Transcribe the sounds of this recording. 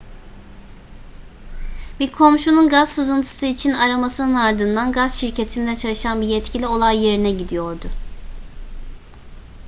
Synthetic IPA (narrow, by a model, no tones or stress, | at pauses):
biɾkʰo̞mʃununɡaz̥sɯzɯnt̪ʰɯ̥sɯit͡ʃʰinaɾamasɯnɯnaɾd̪ɯnd̪anɡazʃiɾcʰe̞t̪ʰind̪ɛt͡ʃʰalˠɯʃanbijɛt̪cʰilʲio̞lˠajːe̞ɾinɛɟid̪ijo̞ɾd̪ʊ